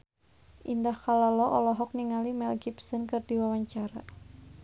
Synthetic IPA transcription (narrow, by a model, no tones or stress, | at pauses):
ʔindahkalalɔʔɔlɔɦɔk̚niŋalimɛlɡipsɔnkɨrdiwawaɲt͡ʃaɾa